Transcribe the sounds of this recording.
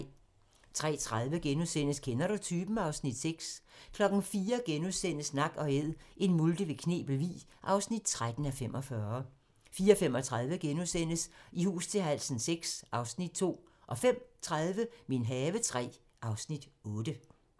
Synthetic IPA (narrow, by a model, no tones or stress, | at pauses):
t͡sʰʁɛ̰ːt͡sʰʁaðˠʋəɡ̥enuðˠsen̰əskʰenɐɾ̥ut͡sʰyːb̥m̩ɑ̈ʊsnid̥seɡ̥skʰlɒ̽ɡ̥n̩fiːɐɡ̥enuðˠsen̰əsnɑ̈ɡ̥ɒ̽eð̰ˠʔe̝nmuld̥əʋe̝kʰne̝̰ːb̥l̩ʋḭː | ʔɑ̈ʊsnid̥̚t͡sʰʁad̥n̩æfem̰ɒ̽fɶɐ | fiːɐɒfem̰ɒ̽t͡sʰʁaðˠʋəɡ̥enusen̰əsihṵːst͡sʰe̝lɦæl̰sn̩seɡ̥sʔɑ̈ʊsnid̥̚t͡sʰo̝̰ː | ʔɒ̽fem̰t͡sʰʁaðˠʋəme̝nɦɛːʋət͡sʰʁɛ̰ː | ʔɑ̈ʊsnid̥ɔ̽ːd̥ə